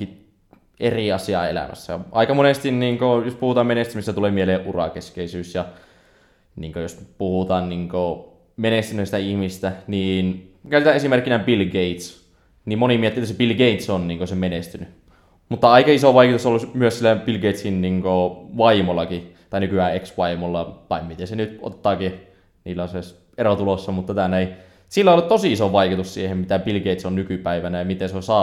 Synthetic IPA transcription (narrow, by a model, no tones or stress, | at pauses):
i | ʔeriɑsiɑ̰ḛlæ̰mæ̰sːæ̰ʔɑikɑmonest̪inniːŋkojospuhut̪ɑːmenest̪ymist̪æt̪uleːmieleːʔʔurɑ̰keskeisyːsjɑ | niːŋkøjospuhut̪ɑːnniːŋko | menest̪ynøst̪æihmist̪æniːnkæˑyt̪æʔesimerkːinæmpilɡeit̪s | niːmmonimiet̪ːiːet̪ːsepilɡeit̪sonniːŋkosemenest̪yny | mut̪ːɑɑikɑisoʋɑikut̪usolːusmyøssilːæpilɡeit̪sinniŋkoʋɑimolːˑɑkit̪ɑˑinykyæːeksʋɑimolːɑt̪ɑimmit̪ensenyt̪o̰t̪t̪ːˑɑːki | niːlːæses | eɾot̪ulosːɑmut̪ːɑt̪ænei | silːæolːut̪t̪osiisoʋɑikut̪ussiehemmit̪æbilɡeit̪sonnykypæiʋænæjɑmit̪enseosɑː